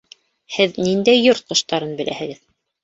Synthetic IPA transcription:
hɘðnind̪æjːoɾt̪̚qŏʃt̪ɑɾɤnbɘ̆læ̰hɘ̆ɡɘð

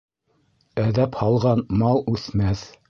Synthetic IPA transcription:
æðæphɑlˠʁɑnmɑlˠʉθmæθ

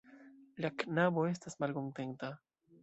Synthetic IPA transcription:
ʎaknaβoes̬t̪asmalkont̪ent̪a

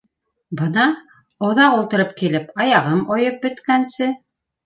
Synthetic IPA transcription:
bɤnɑ | oðɑqulˠt̪ɤ̆ɾɤpkilɘpɑjɑʁɤmojɤp̚bɵ̆t̪kænsɘ

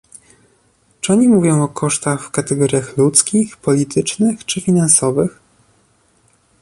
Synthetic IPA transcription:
t͡ʂɨɔɲimuvʲjɔ̃w̃ɔkʰɔʂt̪axfkat̪ɛɡɔɾʲjaxlut̪skʲixpɔlʲit̪ʰɘt͡ʂnɘxt͡ʂɘfʲinansɔvɘx

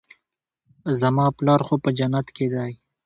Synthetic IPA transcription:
zɐmɑːplɑːɾxopəd͡ʒɐnat̪ked̪ɑːj

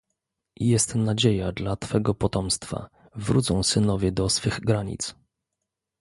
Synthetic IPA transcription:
jɛst̪nad͡ʑejad̪lat̪fɛɡɔpɔt̪ɔmst̪fa̰ | vɾṵt̪sɔ̃w̃sɘnɔvʲɛd̪ɔsfɘɣɡɾaɲḭt̪s

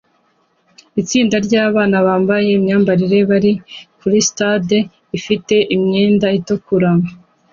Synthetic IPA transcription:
it͡siːndaɾɟaːβaːnaβaːmbaje̞imɲaːmbaɾiɾe̞βaɾikuɾistade | ifite̞ʔimɲe̞ːndaitukuɾama

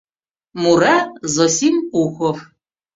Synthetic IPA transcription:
muɾazɔsʲimuxɔf

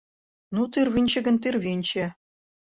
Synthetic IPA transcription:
nut̪irʋʲinʲɕɘ̆ɡʲɘ̆nʲt̪ʲirʋʲinʲt͡ɕɘ̆

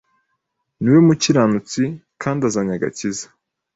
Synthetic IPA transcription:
niwemuciɾanut͡sikʰaːndazaɲaɡa̰cizḁ

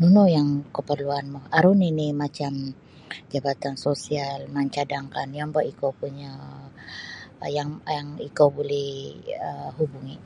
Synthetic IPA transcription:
nunojaŋkəpərluanmɔhaɾuninɪmat͡ʃam | d͡ʒabat̪ansosialmaɲt͡ʃadaŋkanjaŋbaʔikopuɲa | jaŋjaŋikobolɛhəɦubuŋi

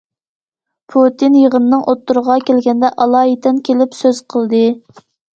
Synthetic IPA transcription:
pʰut̪ʰinjəʁənnɨŋʔot̪ːuɾəʁɑkʲelɡʲɛnd̪ɛʔɑlˠɑːjit̪ɛnkʲʰelɪpsøz̥qʰəlˠd̪ɨ

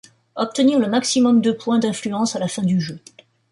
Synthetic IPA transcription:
ɔp̚t̪əniʁləmaksimɔmd̪øpwɛ̃d̪ɛ̃flyɑ̃salafɛ̃d̪yʒø

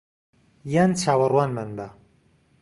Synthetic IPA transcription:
jant͡ʃʰaːwɐrwaːnmanba

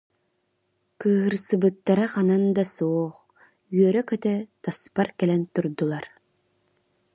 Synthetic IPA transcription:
kɯːɦɯɾsɯbɯt̪ːaɾaχanand̪asuɔχ | yœɾœkœt̪ɛt̪aspaɾkɛlɛnt̪uɾd̪ulˠaɾ

